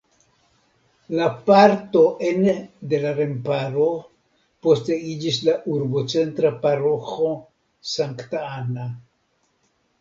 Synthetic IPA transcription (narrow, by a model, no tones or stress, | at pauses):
lapaɾto̞ʔende̞laɾe̞mpaɾo̞ | po̞ste̞id͡ʒis̬laʔuɾbo̞t͡se̞ntɾapaɾo̞xo̞ | saŋktaana